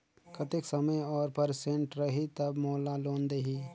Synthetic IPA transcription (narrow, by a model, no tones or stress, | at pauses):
kət̪ɪksəməjɔːɾpəɾsẽɳʈɾəɦit̪əbmoːlaloːnd̪eɦiː